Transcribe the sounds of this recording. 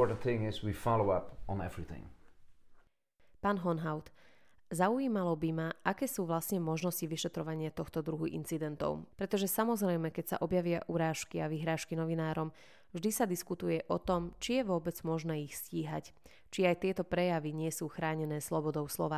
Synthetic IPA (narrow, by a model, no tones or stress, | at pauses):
tn̩t̪θɪ̃ŋɪzwifɑlˠoʊʌpn̩ɛ̰vɹiθɪ̰̃ŋ | paːnɦɔnɦaʊt̪ | zaujiːmalɔbimaakɛːsuːʋlasɲɛmɔʒnɔsciʋiʃɛt̪ɾɔʋaɲɪat̪ɔxt̪ɔd̪ɾuɦuʔḭnt͡sid̪ɛnt̪ɔ̰ʊpɾɛt̪ɔʒɛsamɔzɾɛjmɛkɛcsa̰ʔɔbjaʋɪaʔuɾaːʃkiaʋiɦɾaːʃkinɔʋinaːɾɔm | vʒd̪isad̪iskut̪ujɛʔɔt̪ɔmt͡ʃijɛʋʊɔbɛd͡zmɔʒnɛːixsciːɦa̰c | t͡ʃiajt̪ɪɛt̪ɔpɾɛjaʋiɲɪɛsuːxɾaːɲɛnɛːslɔbɔd̪ɔʊslɔ̰ʋaː